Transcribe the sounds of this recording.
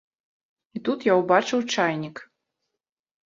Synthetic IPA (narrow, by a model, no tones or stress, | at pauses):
it̪ut̪jawbat͡ʂɨwt͡ʂajnʲik